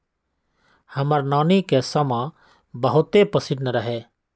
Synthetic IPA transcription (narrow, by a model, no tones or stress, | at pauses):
hɐməɾnaːnikesəmã | bəɦʊt̪epəsɪɖnəɾəɦeː